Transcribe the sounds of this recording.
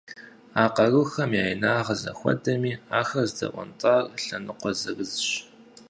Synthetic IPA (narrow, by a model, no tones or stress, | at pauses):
aːqɐrɨxɐmjaːjnaːʁɐzɐ̰xʷɔ̰dɐmiːaːxɐrzdɐ̰ʔʷɔ̰ntʼaːrɬɐnɨqʷɔzɐɣɨzɕ